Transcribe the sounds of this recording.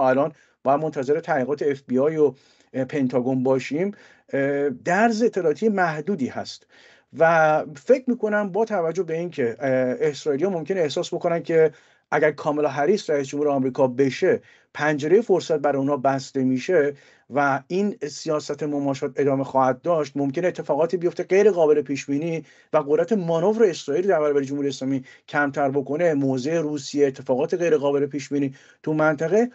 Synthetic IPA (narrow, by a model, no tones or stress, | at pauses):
ælɒːn | b̥ɒːjæd̪mo̞nt̪ʰæze̞ɾe̞t̪ʰæliːɣɒːt̪ʰe̞efbiɒːjo | pʰe̞nt̪ʰɒɡo̞nbɒːʃim | d̪æɾzeet̪ʰːelɒːt̪ʰijemæhd̪uːd̪iːhæ̰st̪ | væfe̞cʰɾmiːkʰo̞næmbɒːt̪ʰævæd͡ʒːohbe̞incʰe̞ehsɾɒːilijɒːmo̞mkcʰeneːhsɒːsbo̞konænd̪̚cʰe̞ | ʔæɟæɾkʰɒːmelɦæɾiːsɾæis̬d͡ʒomhuːɾeɒmɾiːkʰɒːbe̞ʃe̞ | pʰænd͡ʒe̞ɾejefo̞ɾsæt̪̚bæɾɒjuːnhɒːbæst̪e̞miːʃe̞ | væinsijɒːsæt̪ʰemomɒːʃɒːt̪ʰe̞d̪ɒːme̞xɒːhæd̪̚d̪ɒːʃt̪̚mo̞mcʰe̞neet̪ʰːe̞fɒːɣɒːt̪ʰiːbijo̞ft̪e̞ɡe̞jɾe̞ɣɒːbe̞le̞pʰiːʃbiːniː | væɣod̪ɾæt̪ʰe̞mɒːno̞vɾeesɾɒːiːld̪æɾbæɾɒːbæɾed͡ʒomhuɾieslɒːmicʰæmt̪ʰæɾbo̞ko̞ne̞moːze̞ːruːsijeːt̪ʰːe̞fɒːɣɒːt̪ʰeɣe̞jɾeɣɒːbe̞lepʰiːʃbiːniː | t̪ʰumænt̪ʰæɣe̞